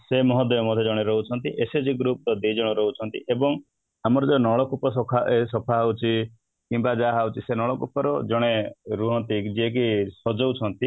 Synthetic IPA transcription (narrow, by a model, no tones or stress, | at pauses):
semɔɦɔd̪eɔmɔd̪ʱed͡ʒɔɽ̃eɾɔɦut͡ʃʰɔnt̪iʔesed͡ʒiɡɾup̚d̪ɔd̪id͡ʒɔɽ̃ɔɾɔɦut͡ʃʰɔnt̪ḭʔebɔŋ | amɔɾɔd͡ʒɔnɔɭɔkupɔsɔkʰaesɔpʰaɦawt͡ʃʰi | kimbad͡ʒaɦawt͡ʃʰisenɔɭɔkupɔɾɔd͡ʒɔɽ̃eɾuɦɔnt̪id͡ʒiek̬isɔd͡ʒɔwt͡ʃʰɔnt̪i